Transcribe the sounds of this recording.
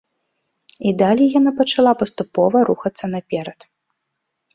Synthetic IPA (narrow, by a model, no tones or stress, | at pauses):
id̪alʲijanapɐt͡ʂalˠapɐst̪upɔvɐɾuxɐt̪sːɐnɐpʲɛɾɐt̪